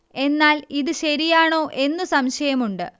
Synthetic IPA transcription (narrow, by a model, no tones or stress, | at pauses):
e̞nːaːliðɨɕɐɾijaːɳo̞ːʔe̞nːusɐmɕɐjɐmuɳɖɨ